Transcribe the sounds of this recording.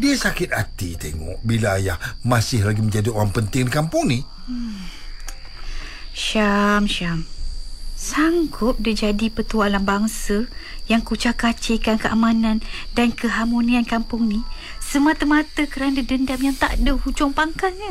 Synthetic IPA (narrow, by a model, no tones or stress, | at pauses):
diəsakɪt̪̚a̰t̪it̪eŋɔ̰ʔbilajahmasɪhlaɡimə̃ɲd͡ʒadiowaŋpənt̪ɪŋdikampʊŋni | ʃamʃam | saŋɡʊp̚did͡ʒadipət̪ualambaŋsəjaŋkut͡ʃakat͡ʃekankəʔamanãndankʰəɦamoniankampʊŋni | səmat̪əmat̪əkəɾanədəndamjaŋt̪a̰ʔdəhud͡ʒɔŋpaŋkana